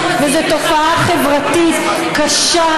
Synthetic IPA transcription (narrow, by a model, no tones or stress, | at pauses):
vezet̪o̞faʔaχe̞vʁat̪it̪ | kaʃa